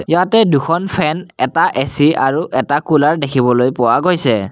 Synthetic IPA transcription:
jatɛdukʰɔnpʰɛnɛtaʔesiaɹuʔɛtakulaɹdekʰibɔlojpʊwaɡojsɛ

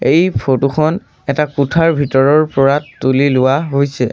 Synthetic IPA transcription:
ejpʰotuxʰɔn | ɛtakutʰaɹbʱitɔɹɔɹpɔɹaulilʊwaɦojsɛ

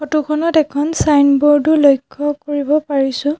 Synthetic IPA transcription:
xɔtukʰɔnɔtɛkʰɔnsajnbɔɹdulojkʰːɔkoɹibɔpaɹisʊ̃

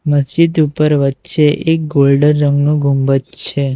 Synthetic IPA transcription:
məsd͡ʒid̪upəɾʋətːʃʰeʔek̚ɡolɖənːəŋɡnũɡʱumbətt͡ʃʰe

